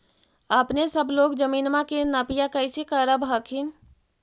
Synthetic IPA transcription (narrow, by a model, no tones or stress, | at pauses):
əpnesəbʱloːɡd͡ʒəmiːnmakenapijakəɪsekəɾəbʱɦəkʰin